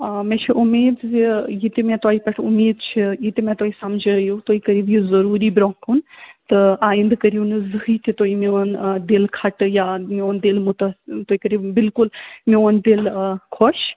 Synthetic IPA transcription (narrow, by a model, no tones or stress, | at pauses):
mẽt͡ʃʰiʔumeːd̪ijit̪imẽt̪aːipɐʈʰumeːd̪t͡ʃʰijit̪imẽt̪oːisɐmd͡ʒʱəɾɐjut̪oːikɐɾibjuzɐɾuːɾibɾokunt̪ɨaːind̪kɐɾinɨzɨɦiːt̪ʰit̪oːimeond̪elkʰɐʈjameond̪elmut̪st̪oːikɐɾiːbbɪlkʊlmeənd̪elkʰoʃ